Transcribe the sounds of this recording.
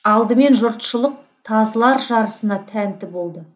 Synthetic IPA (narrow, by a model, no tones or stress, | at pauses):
ɑlˠd̪əme̞nʒʊɾt̪ʃəlˠəq̚ | t̪ʰɑzlˠɑɾʒɑɾəsənɑt̪ʰænt̪ɪbo̞lˠd̪ə